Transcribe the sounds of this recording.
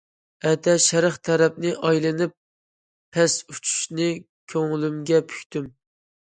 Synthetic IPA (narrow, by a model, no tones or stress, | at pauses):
ɛt̪ɛʃɛɾəχt̪ʰæɾɛp̚nɪʔɑjlˠɨnɨp̚ʰː | ɛsut͡ʃʰu̥ʃnɪ | kʲʰøŋlymɡʲɛpʰy̥kʲt̪ym